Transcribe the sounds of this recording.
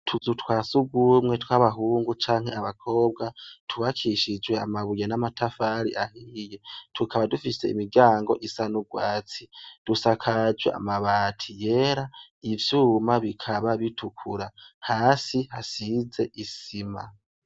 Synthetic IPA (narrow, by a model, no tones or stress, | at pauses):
tʰuzutwaːsuɡumŋe̞twaβaɦuːŋɡut͡ʃaːŋhe̞aβakʰo̞ːb̚ɡatʰuβakʰiʃid͡ʒwe̞a̰maβujenamatafaɾḭʔahiːje̞tʰukʰaβadufise̞ḭmiɡaːŋɡo̞̰ʔisanuɡwaːt͡sid̥usakʰad͡ʒwḛʔa̰maβaːtʰije̞ɾa | ivjuːmaβikʰaβaβitʰukʰuɾahaːsihasize̞ʔisima̰